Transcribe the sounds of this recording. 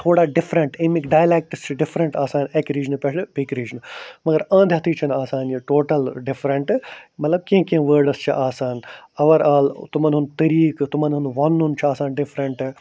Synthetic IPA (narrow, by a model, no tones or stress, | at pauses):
t̪ʰoːɽaːɖɪfɾɐɳʈĩmikɖaːjlek̚ʈɐst͡ʃʰiɖɪfʰɾɐɳʈaːsaːnekɾiːd͡ʒɐnpɛɨbikɾiːd͡ʒɐnmɐɡɐɾɐ̃ːnd̪ʱjɐt̪ʰiːt͡ʃʰɐnaːsaːnjɐʈoːʈɐlɖɪfɾɐɳʈmɐt̪lɐb̚kĩkẽʋəːɾɖɐst͡ʃʰiʔaːsaːnɐʋɐɾaːlt̪ʊmɐnɦunt̪ɐɾiːkt̪umɐnɦunʋɐnɦunt͡ʃʰiaːsaːnɖɪfʰɾɐɳʈ